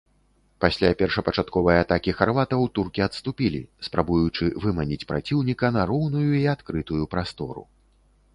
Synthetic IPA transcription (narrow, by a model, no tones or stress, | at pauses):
pasʲlʲapʲɛrʂɐpɐt͡ʂat̪kɔvɐjat̪akʲixarvat̪ɐwt̪urkʲiɐt̪st̪upʲilʲḭspɾabujut͡ʂɨvɨmanʲit͡sʲpɾa̰t͡sʲiwnʲikɐnɐɾɔwnujuiat̪kɾɨt̪ujupɾast̪ɔɾṵ